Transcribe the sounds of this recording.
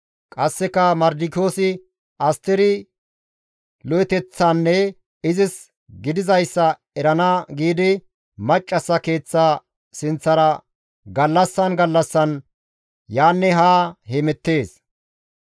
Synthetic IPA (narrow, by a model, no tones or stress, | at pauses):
kʼɐsːɛkɐmɐɾd̪ɪkoːsɪ | ʔɐst̪ɪɾɪ | lɔɛt̪ɛt͡sːɐnːɛ | ɪzɪs | ɡɪd̪ɪzɐjsːɐ | ɛɾɐnɐɡiːd̪ɪ | mɐt͡ʃʼːɐsːɐke̞ːt͡sːaː | sɪnt͡sːɐɾɐ | ɡɐlːɐsːɐnɡɐlːɐsːɐn | jaːnːɛɦaːhemɛt̪ːe̞ːs